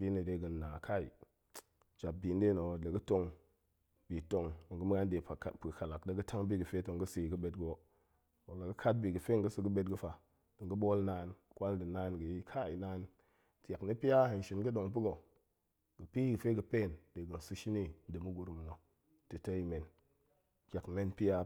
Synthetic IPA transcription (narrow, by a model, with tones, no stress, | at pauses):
bi˦nə˨de˨˦ɡə˨nːaː˨kʰa˦ḭ˨ | d͡ʒa˨p̚bi˨˦n˦de˦no˨lə˨ɡə˦to˧ŋ | b̥i˨to˨ŋə˨ŋɡə˦m˦ɡa˦n˦de˨a˨pə˨ka˨la˨kdə˨ɡɨ˦tʰa˦ŋbi˦ɡɨ˨fe˦to˨ŋ˨ɡə˦si˨ɡɨ˦ɓe˨˦tɡwo˦ | o˨la˨ɡɨ˦kʰa˦t̚bi˨ɡɨ˨fe˦ŋɡə˦su˨ɡə˦ɓe˦t̚ɡɨ˦fa˨ | d̥ɨ˨ŋɡə˦ɓo˦lna˦˨n | kʷa˦ldɨ˨na˦nɡə˨i˦kʰa˦i˨naː˦n | tja˨kni˦pi˦ja˦he˨n˨ʃi˨n˦ɡɨ˦ɗo˨ŋpi˦ɡo˨ | ɡ̥ə˨pi˦ɡɨ˨fe˦ɡɨ˨pe˦˨ndə˨ɡə˨n˨su˧ʃi˦ni˦n̩˦dɨ˨mu˦ɡu˨ɾu˨m˨no˨ | tɨ˨tə˦i˦me˨n | kʲa˨kme˦npi˦ja˦